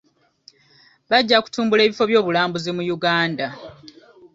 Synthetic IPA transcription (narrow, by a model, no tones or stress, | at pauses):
βaɟːaku̥tuːmbule̞ːβifo̞βjo̞ːβulaːmbuzimujuɡaːnda